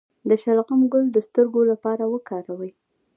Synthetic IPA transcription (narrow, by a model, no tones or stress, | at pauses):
d̪əʃalɣamɡʊld̪əst̪əɾɡolapɑɾawəkɑɾawəj